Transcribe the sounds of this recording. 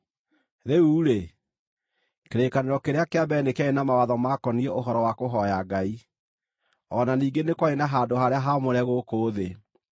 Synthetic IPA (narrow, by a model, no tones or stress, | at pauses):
ðeuːɾe | keɾekaneɾɔkeɾeakeabɛnekeaenamawaðɔmakɔniɛoɦɔɾɔwakoɦɔjaɡai | ɔnaniːŋɡenekwaenaɦaːndoɦaɾeaɦamoɾɛɣokoːðe